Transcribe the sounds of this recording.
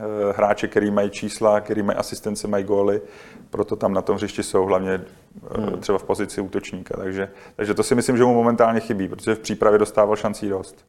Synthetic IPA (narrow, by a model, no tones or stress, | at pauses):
ɦɾaːt͡ʃɛkt̪ɛɾiːmajit͡ʃiːslakt̪ɛɾiːmajḭʔasɪst̪ɛnt͡sɛmajiɡoːlɪpɾot̪o̞t̪amnat̪o̞mɦrɪʃcɪso̞wɦlavɲɛ | t̪ɛbafpo̞zɪt͡sɪuːt̪o̞t͡ʃɲiːka̰t̪aɡʒɛt̪aɡʒɛt̪o̞sɪmɪslɪmʒɛmumo̞mɛnt̪aːlɲɛxɪbiːpɾot̪oʒɛfpr̝̥iːpɾavjɛdo̞st̪aːvalʃant͡siːdo̞st̪